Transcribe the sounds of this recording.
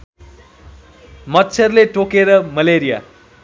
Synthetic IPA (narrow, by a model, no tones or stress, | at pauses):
mʌtːt͡sʰerleʈokeɾʌmʌleɾija̰